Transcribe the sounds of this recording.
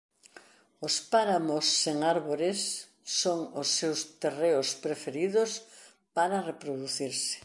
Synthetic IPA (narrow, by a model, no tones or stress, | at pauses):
ospaɾamosːeŋaɾβoɾesː | oŋosːewst̪ereospɾefeɾiðos | paɾarepɾoðuθiɾsɪ̥